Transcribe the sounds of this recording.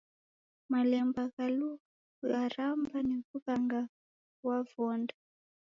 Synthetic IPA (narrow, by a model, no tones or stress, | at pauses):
malɛmbakaluka | arambanekukaŋɡa | wavɔːnda